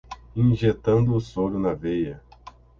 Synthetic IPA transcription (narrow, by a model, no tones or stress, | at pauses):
ĩʒet̪ɐ̃nd̪ʊːsoɾʊnɐvejɐ